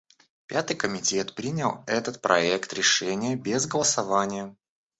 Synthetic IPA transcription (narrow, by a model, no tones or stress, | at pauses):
pʲat̪ɨjkəmʲɪtʲe̞t̪pɾʲinʲɪlˠɛt̪ət̪̚pɾʔɐ̰ɛkt̪ɾʲɪʂɛnʲɪjəbʲezɡəlˠəsɐvanʲɪjə